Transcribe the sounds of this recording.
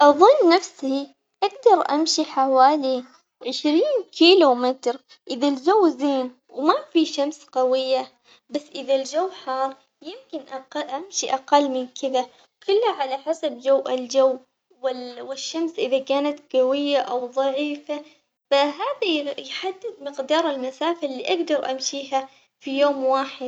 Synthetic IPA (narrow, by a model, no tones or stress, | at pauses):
ʔɑðˤʊnːafshi | ʔaɡd̪ɑɾˤʔamʃiħawaːli | ʕɪʃɾiːnkʰiːlumɪt̪ɾ | ʔɪðald͡ʒawːzeːn | wmafiʃamsqɑwɪjːa | basːʔɪðald͡ʒawːħɑːɾˤ | jɪmkɪnʔaʔamʃiʔaqɑlːmɪnkʰɪða | kʰʊlːhaʕalaħasabd͡ʒawːʔɪld͡ʒawː | wɪwɪʃːamsʔɪðakaːnat̪ɡawɪjːaʔawðˤɑʕiːfa | faɦaːðajħad̪ːɪd̪̚mɪqd̪ɑːɾˤɪlmasaːfalːiʔaɡd̪ɑɾˤʔamʃiːɦa | fijoːmwaːħɪd̪̚